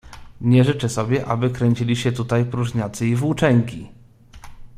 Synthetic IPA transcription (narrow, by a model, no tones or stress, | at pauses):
ɲɛʐɘt͡ʂɛsɔbʲjɛʔa̰bɘkɾɛɲt͡ɕilʲiɕɛt̪ut̪ajpɾuʐɲat̪sɘivwut͡ʂɛŋkʲi